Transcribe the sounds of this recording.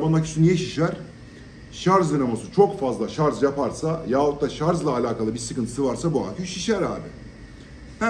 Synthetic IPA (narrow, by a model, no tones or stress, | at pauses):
banːˠacʰy̥synijeʃiʃæɾ̥ | ʃaɾzd̪ɯɾamasɯt͡ʃʰo̞kfazlˠaʃaɾzjapaɾsajaːot̪̚d̪aʃaɾzlˠaːlʲaːkalˠɯbiɾsɯkɯnʰɯ̥sɯvaɾsabua̰ːkʰyʃiʃæɾa̰ːbɪ